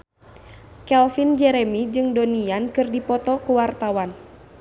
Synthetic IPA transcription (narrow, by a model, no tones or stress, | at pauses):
kɛlfind͡ʒɛɾɛmid͡ʒɨŋdoniankɨrdipɔt̪ɔkuwart̪awan